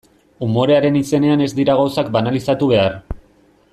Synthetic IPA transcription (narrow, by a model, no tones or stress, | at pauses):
umo̞ɾe̞aɾe̞nise̞ne̞ane̞zd̪iɾaɣawsak̚banalisat̪uβ̞e̞ar